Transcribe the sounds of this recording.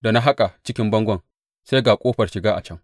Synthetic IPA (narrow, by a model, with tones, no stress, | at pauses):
da˨na˦ɦa˦kʼa˨t͡ʃɪ˦kʲɪ˦mbɐ˦ŋɡʷɐ˦˨ŋ | se˦jɡaː˨kʷʼoː˦ɸɐ˨ʃɪ˨ɡaː˦ʔa̰˨t͡ʃɐ˦ŋ